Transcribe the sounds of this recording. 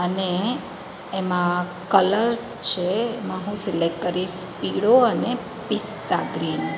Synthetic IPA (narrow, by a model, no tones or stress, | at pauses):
əneː | mã | kələɾst͡ʃʰemãɦũsilek̚kəɾiʃpiɽoəne | pist̪aɡɾin